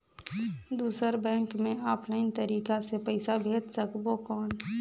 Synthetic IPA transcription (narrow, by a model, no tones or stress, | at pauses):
d̪uːsəɾbɛ̃ːŋkmẽɔːpʰlaɪnt̪əɾiːkasepəɪsabʱeːt̪səkbokɔːn